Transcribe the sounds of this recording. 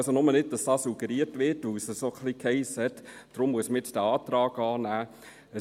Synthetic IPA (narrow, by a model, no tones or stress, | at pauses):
sonʊmənɪd̚d̥ɑsd̥ɑːsuɡəɾiəɾtʋɪɾtəsəsoχlikhɛɪshɛt̪d̥ɾʊmːuəsməɪt͡ssd̥æɑːt̪ɾɑːɡɑːnæː | ə